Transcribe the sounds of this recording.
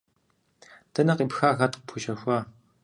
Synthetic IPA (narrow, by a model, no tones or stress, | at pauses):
d̥ɐnɐqiːpxaːɣɐtqəpʰuʃɐxʷaː